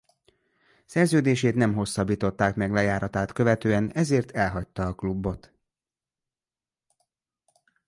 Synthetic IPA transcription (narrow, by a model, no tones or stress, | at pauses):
sɛrzøːd̪eːʃeːt̪nɛmɦo̞sːɒbːiːt̪o̞t̪ːaːkmɛɡlɛjaːɾɒt̪aːt̪kø̞vɛt̪øːɛnɛzeːrt̪ʰɛlɦɒc̚t̪ːɒːklubːo̞t̪